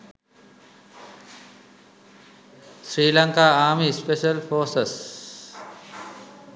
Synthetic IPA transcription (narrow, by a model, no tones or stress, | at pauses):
sɾiːlɐŋkaːaːmispeʃɐlfʰoːsɐs